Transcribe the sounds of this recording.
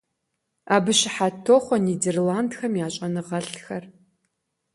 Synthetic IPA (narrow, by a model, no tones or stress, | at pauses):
aːbɨɕɪħatʰːoːχʷɔniːderlaːndxɐmjaːt͡ʃʼɐnɨʁɐɬxɐr